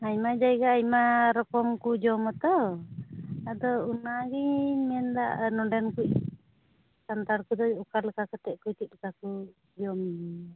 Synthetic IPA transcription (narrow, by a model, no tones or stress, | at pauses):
ajmad͡ʒajɡaːjmaɾɔkɔmkud͡ʒɔmɔt̪ɔ | ad̪ɔunaɡiɲmɛnd̪a̰ʔnɔɖɛnkuʔ | kant̪aɾkud̪ɔukalɛkakɔt̪ɛʔkujt̪iʔ̪̚lɛkaku | d͡ʒɔmi